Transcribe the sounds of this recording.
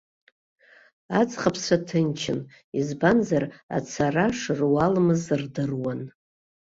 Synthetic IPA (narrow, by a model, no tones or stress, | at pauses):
at͡sʼχapʰsʷʰatʰɨnt͡ʃʰɪn | izbanzara̰t͡sʰaraʂɨrwalmɨzɨrdɨrwan